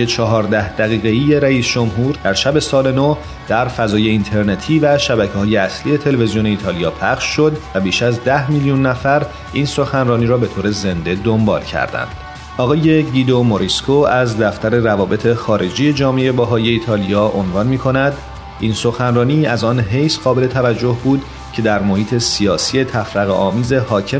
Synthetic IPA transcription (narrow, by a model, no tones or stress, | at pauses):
et͡ʃʰɒɦɒːɾd̪æhd̪̥æɣiːɣeije̞ɾæiːsd͡ʒomɦuːɾd̪æɾʃæbe̞sɒːle̞no | d̪̥æɾfæzɒːje̞int̪ʰe̞ɾnet̪ʰiːvæʃæbæcʰehɒːje̞æslije̞t̪ʰe̞levezijone̞iːt̪ʰɒːlijɒːpʰæχʃːo̞d̪væbiːʃæzd̪æhmiljunːæfæɾ | ʔiːnso̞xænrɒːniːɾɒːbe̞t̪ʰoːɾe̞ze̞nd̪e̞d̪ombɒ̰ːlcʰæ̰ɾd̪æ̰nd̪̥ | ɒːɣɒːje̞ɟid̪omoɾiskʰoæzd̪æft̪æɾe̞rævɒːbe̞t̪ʰe̞xɒːɾe̞d͡ʒiːjed͡ʒɒːmeeebæɦɒːje̞iːt̪ʰɒːlijɒːʔonvɒːnmiːkʰo̞næd̪ | iːnso̞xænrɒːniːæzɒnɦe̞jsɢ̥ɒːbe̞le̞t̪ʰævæd͡ʒːo̞hbuːd̪ | cʰe̞d̪æɾmo̞hiːt̪ʰe̞sijɒːsie̞t̪ʰæfɾæɣeʔɒːmiːze̞hɒːcʰe